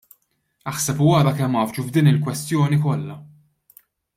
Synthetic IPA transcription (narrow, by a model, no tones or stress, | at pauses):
ɐħsɛpwɐɾɐkɛmːɐːft͡ʃuvd̪iːnɪlkwɛst̪jɔːnikɔlːɐ